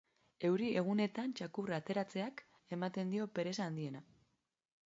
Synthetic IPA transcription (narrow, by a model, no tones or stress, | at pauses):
e̞wɾiʔe̞ɣ̞une̞t̪ant͡ʃakurat̪e̞ɾat͡se̞ak | e̞mat̪e̞nd̪io̞pe̞ɾe̞saːnd̪ie̞na